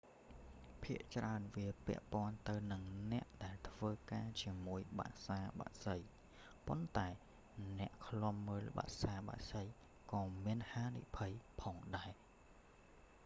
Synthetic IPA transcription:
pʰiəʔt͡ɕraənʋiəpɛ̰̆əʔpŏənt̪ɨwnɨŋnɛ̆əʔɗaɛlt̪ʰʋəːkaːt͡ɕiəmuəjɓa̰ʔsaːɓa̰ʔsəj | pont̪aɛ | nɛ̆əʔkʰlŏəmːəːlɓa̰ʔsaːɓa̰ʔsəj | kɑːmiənhaːnḭpʰəjpʰɑːŋɗaɛ

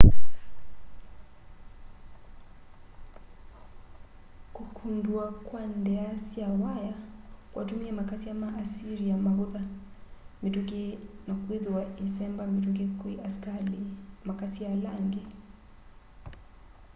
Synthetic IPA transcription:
kukʰunduakwandɛasiawajakwʔatumiamakasiamaʔːsiɾiamaβuða | mitukinakwiðuwaisɛmbamituk̬ikiʔaskalimakasialaŋɡɛ

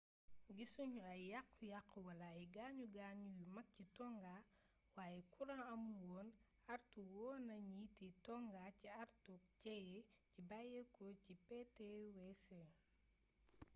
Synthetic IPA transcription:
ɡisuɲuɐjjaqːujaqːəwɐlaiɡaːɲuɡaːɲujumɐk̚citɔŋɡa | waːjɛkuɾanɐmulwɔːn | ɐɾtuwɔːnɐɲiitːitɔŋɡaciɐrtuk̚cɛjɛcibajɛkɔcipɛtɛwɛsɛ

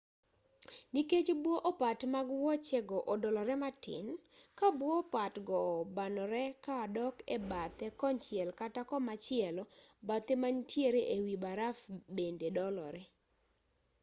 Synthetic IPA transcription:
niket͡ʃbwɔʔɔpatmaɡwɔt͡ʃɛɡɔʔɔdɔlɔɾɛmatɪ̰nkabwɔːpatɡɔbanɔɾɛkadɔkɛ̰bat̪ɛkɔnt͡ʃɪɛlkatakɔmat͡ʃɪɛlɔbat̪emantʰjeɾeʔewibaɾafbendedɔlɔɾɛ

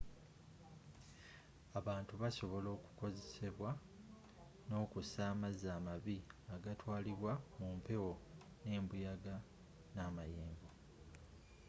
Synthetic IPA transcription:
aβaːntuβaso̞βo̞lo̞ːku̥ko̞ze̞se̞βwa | no̞ːkusaːmazaːmaβiaɡatwaːliβwamumpe̞wo̞ | ne̞ːmbujaɡa | naːmajeːmbo

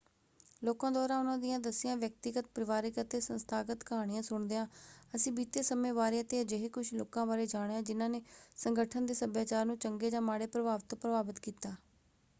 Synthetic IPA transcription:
loːkãːd̪waːɾãːʊnãːd̪ɪjãːd̪əsɪjãːʋjək̚t̪ɪɡət̪̚pɾəʋaːɾikət̪eːsənst̪ʰaːɡət̪kəɦaːɽ̃ɪjãːsʊɳd̪eːãːəsĩːbiːt̪eːsəmẽːbaːɾeːat̪eːad͡ʒeɦeːkʊʃʰloːkãːbaːɾeːd͡ʒaːɽ̃jãːd͡ʒɪnãːneːsəŋɡəʈʰənd̪eːsəbjaːt͡ʃaːɾnũːt͡ʃəŋɡeːd͡ʒãːmaːɽeːpɾəbaːʋt̪oːpɾəbaːbət̪kiːt̪aː

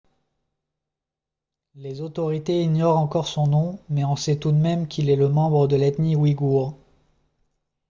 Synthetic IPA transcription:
lezot̪ɔʁit̪eiɲjɔʁɑ̃kɔʁsɔ̃nɔ̃mɛɔ̃sɛt̪ud̪mɛmkʰʲilɛləmɑ̃bʁəd̪əlɛt̪niwiɡuʁ

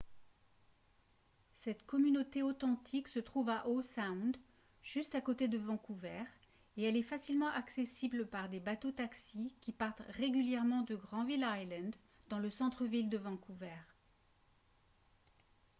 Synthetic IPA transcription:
sɛt̪kɔmynot̪eot̪ɑ̃t̪ʰiksət̪χuvaʔosaw̃d̪ | ʒ̥yst̪akot̪ed̪əvɑ̃kuvɛʁ | eɛlɛfasilmɑ̃ʔaksesibləpaʁd̪ebat̪ot̪aksikʲipaʁt̪ʁeɡʲyljɛʁmɑ̃d̪əɡʁɑ̃vilajlɑ̃d̪ː | ɑ̃ləsɑ̃t̪χəvild̪əvɑ̃kuvɛːʁ

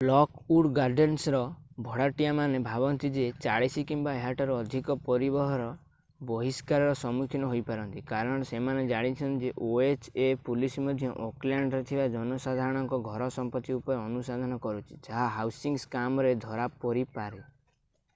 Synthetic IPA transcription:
lɔkuɽɡaɾɖensɾɔbʱɔɽaʈijamanebʱabɔnt̪id͡ʒet͡ʃaɽisikimbaeɦaʈɔɾɔːd̪ʱikɔpɔɾibɔɦɔɾɔ | bɔɦiskaɾɔɾɔsɔmukʰinɔɦojpaɾɔnt̪ikaɾɔɽ̃semaned͡ʒaɽ̃it͡ʃʰɔnd͡ʒeʔoet͡ʃepulismɔd̪ʱjɔʔoklaɳɖɾet̪ʰibad͡ʒɔnɔsad̪ʱaɾɔɽ̃ɔŋkɔɡʱɔɾɔsɔmpɔt̪ːiupɔɾeɔnusad̪ʱɔnɔkɔɾut͡ʃʰi̥t͡ʃaɦaɦawsiŋskamɔɾed̪ʱɔɾapɔɾipaɾe

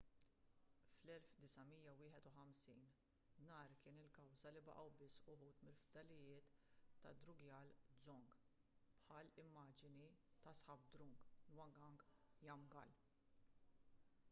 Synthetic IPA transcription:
flɛlfd̪ɪsɐmijːɐwɪːħɛt̪ʊħɐmsiːn | nɐːɾkɪːnɪlkɐwzɐlɪbɐ̰ʔɐwbɪsːʊħuːt̪mɪlfd̪ɐlɪjɪːt̪ːɐ̰d̪ɾʊɡjɐːld͡zɔŋɡ | pħɐːlɪmːɐːd͡ʒɪnit̪ɐsħɐb̚d̪ɾʊŋɡlwɐŋɡɐŋɡjɐmɡɐ̰l

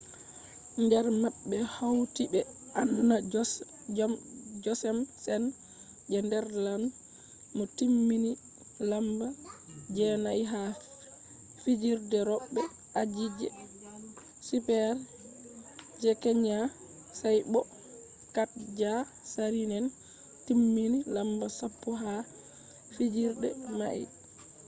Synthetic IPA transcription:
ɲdɛɾmaɓːɛhawtibɛʔanduna | d͡ʒɔsɛmsɛn | d͡ʒɛndɛɾlan | mɔtimːini | lambad͡ʒɛnajɦa | fid͡ʒiɾdɛɾɔɓːɛ | ʔad͡ʒid͡ʒɛ̰ | sipɛɾ | d͡ʒɛkɛɲa | sajbɔ | kat̚d͡ʒa | saɾinɛn | timːinilambasapːɔɦa | fid͡ʒiɾdɛma̰ʔḭ

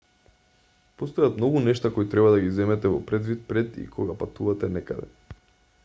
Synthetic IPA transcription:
post̪ojat̪mnɔɡunɛʃt̪akojt̪ɾɛβad̪aɡizɛmɛt̪ɛvɔpɾɛd̪vit̪̚pɾɛt̪ḭkʰoɡapat̪uvat̪ɛnɛkad̪ɛ̰

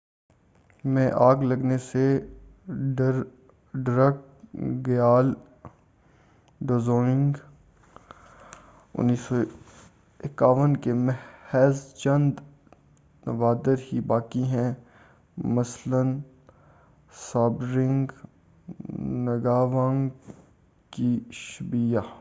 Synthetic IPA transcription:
mɛ̃ːʔaːɡlɐɡnese | ɖəɾ | ɖɾək̚ | ɡjaːl | ɖoːzoːɪ̃ŋɡ | ʊ̰nːiːso | ɪkaːʋənkemɛhɛzt͡ʃɐ̃nd̪ | nəʋaːd̪əɾhibaːkiɦɛ̃ | mɐslən | saːbɾɪ̃ŋɡ | nɐɡaːʋãːŋɡ | kiʃʊbija

